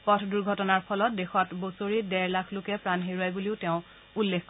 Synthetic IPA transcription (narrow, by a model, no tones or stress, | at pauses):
pɔtʰduɹɡʱɔtɔnaɹpʰɔlɔt̚dexɔtbosoɹidɛɹlakʰlokɛpɹanɦeɹajbuliʊteʊ̃ | ulːekʰk